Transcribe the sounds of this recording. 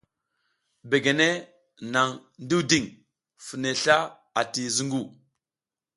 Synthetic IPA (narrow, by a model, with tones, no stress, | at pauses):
be˨ɡe˨ne˦ | na˨ŋndi˦wdi˦˨ŋ | fə˨ne˨ɬa˦ | a˨ti˨zu˦ŋɡu˦˨